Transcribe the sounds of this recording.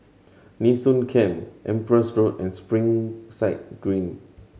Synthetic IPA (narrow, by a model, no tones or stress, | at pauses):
nisũnkʰɛ̃mʔɛ̃mpɹəsɹotɛ̃nspɹĩŋsaɪt̚ɡ̥ɹĩn